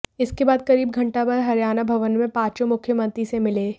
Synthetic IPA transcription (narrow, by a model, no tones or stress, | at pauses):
ɪskebaːd̪̚kɐɾiːb̚ɡʱɐ̃ɳʈapɐɾɦɐɾjaːnabʱɐʋənmẽpaːt͡ʃõmʊkʰjəmɐ̃nt̪ɾisemɪleː